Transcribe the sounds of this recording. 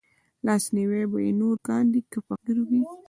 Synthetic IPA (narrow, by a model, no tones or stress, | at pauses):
lɑsniwebajenoɾɡɑnd̪ikəpaɡiɾubi